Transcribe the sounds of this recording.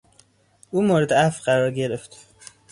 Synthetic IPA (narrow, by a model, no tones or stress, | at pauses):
ʔuːmoːɾed̪eæfɢæɾɒːɾɟe̞ɾe̞ft̪